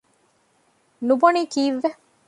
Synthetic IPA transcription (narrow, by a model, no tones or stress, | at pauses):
nuboniːkiːʋːe